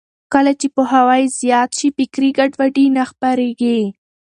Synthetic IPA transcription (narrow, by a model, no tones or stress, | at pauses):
kəlat͡ʃepoɦawɑjzjɑt̪ʃipɪkɾiɡaɖwaɖinaxpaɾeɡi